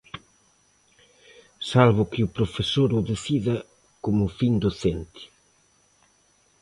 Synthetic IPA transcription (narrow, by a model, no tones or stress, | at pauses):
salβʊkɪupɾofesoɾʊðeθiðɐ | komʊfind̪oθent̪i̥